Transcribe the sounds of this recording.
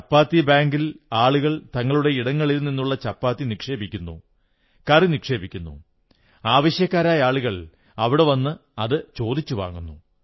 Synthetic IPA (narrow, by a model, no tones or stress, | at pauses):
t͡ɕɐpːaːt̪ːibaːŋɡilaːɭuɣɐɭt̪ɐŋːɐɭuɽe̞iɽɐŋːɐɭilninːuɭːɐt͡ɕɐpːaːt̪ːinikʂe̞ːbikʲːunːṵ | kɐrinikʂe̞ːbikʲːunːṵ | aːʋɐɕjɐkːaːɾaːjɐaːɭuɣɐɭ | ɐʋiɽe̞ʋɐnːɨɐðɨt͡ɕo̞ːd̪it͡ɕːuʋa̰ːŋːunːu